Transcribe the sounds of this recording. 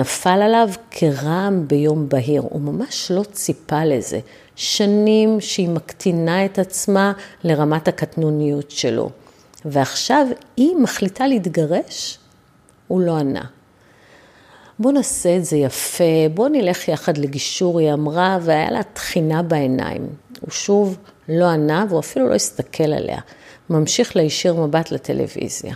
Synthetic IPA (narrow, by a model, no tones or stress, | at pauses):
nafalalavkʰe̞ʁaːmbe̞jo̞mbaɦiʁṵmamaʃlo̞t͡sipale̞ze̞̰ | ʃanimʃeimaktʰinae̞tat͡smale̞ʁamatakatnunijutʃe̞lo̞̰ | veaχʃavimaχlitaleitɡaʁe̞ʃ | ulo̞ana̰ | bo̞naseːtze̞jafe̞bo̞nile̞χjaχadleɡiʃuʁiamʁaveaja̰lʔatχinabaena̰ḭmṵʃuv | lo̞anaveuafilulo̞̰jistakʰe̞la̰lḛa̰mamʃiχleiʃiʁmabatlatʰe̞̰lʔḛvḭzja̰